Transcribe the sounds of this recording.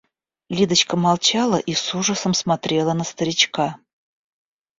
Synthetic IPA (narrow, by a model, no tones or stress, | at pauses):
lʲid̪ət͡ɕkəmɑlˠt͡ɕalˠəʔisuʐəsəmsmat̪ɾʲe̞lˠənəst̪əɾʲɪt͡ɕka